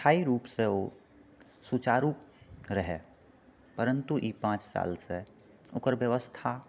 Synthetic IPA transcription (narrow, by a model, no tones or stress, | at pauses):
ʈʰaːiɾuːpseo | sut͡ʃaːɾuːɾəɦe | pəɾə̃nt̪uʔiːpãːt͡ʃsa̰ːlse | ʊ̰kəɾʋjəʋəst̪ʰa